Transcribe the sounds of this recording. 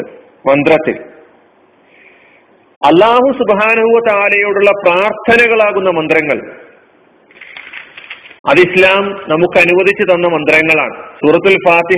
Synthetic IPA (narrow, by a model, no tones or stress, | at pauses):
mɐnd̪rɐt̪ːḭl | ɐlːaːhusubɦaːnɐhuʋɐt̪aːlɐjoːɽuɭːɐpraːrt̪ʰɐnɐɣɐɭaːɣunːɐmɐnd̪rɐŋːɐɭ | ɐðislaːmnɐmukːɨɐnuʋɐðʱit͡ɕːɨðɐnːɐmɐnd̪rɐŋːɐɭa̰ːɳɨsuːɾɐt̪ːilfaːt̪i